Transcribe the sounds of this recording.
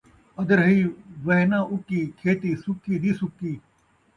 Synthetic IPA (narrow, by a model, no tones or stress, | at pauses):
əd̪əɾɦiːʋɐɦnãːʔʊkiːkʰeːt̪iːsʊkiːd̪iːsʊkiː